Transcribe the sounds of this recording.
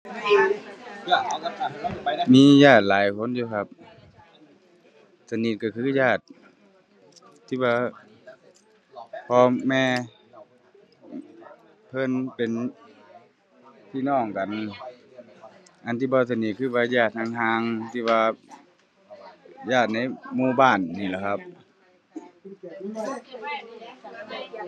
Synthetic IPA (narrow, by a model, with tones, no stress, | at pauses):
miː˧˥˨jaː˧˩t̪̚laː˨˦jkʰo˧˥˨njuː˧kʰa˧p̚ | sa˧ni˧t̪̚ka˧˩kʰɯː˧˨jaː˧˩t̪̚ | iː˧˩waː˧ | pʰɔː˧mɛː˧˨ | pʰɤ˧˥˨npe˨n | t̪ʰiː˧˨nɔː˧˩ŋka˨n | ʔa˨nt̪ʰiː˧bɔː˧˦s̬a˧ni˧t̪̚kʰɯː˧˩˨waː˧jaː˧˩t̪̚ha˧˨ŋɦaː˧˥ŋt̪ʰiː˧˨ʋaː˧ | jaː˧˩t̪̚na˧˥˩jmuː˧˩˨baː˧˩˨nːiː˧˩la˧˨˩kʰa˧p̚